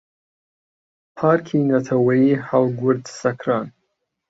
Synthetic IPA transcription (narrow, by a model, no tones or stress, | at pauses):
pʰarkʲʰinatʰawaiħalɡʷʊrdʰsakʰran